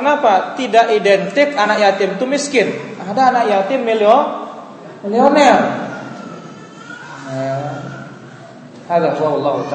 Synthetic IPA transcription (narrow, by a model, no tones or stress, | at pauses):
kənapat̪idaʔidɛnt̪ɪkanakjat̪ɪmt̪umiskɪnadaːnakjat̪ɪmːiliɔ | mliɔnɛl | nɛ | aɡasaɔlːaɦut̪a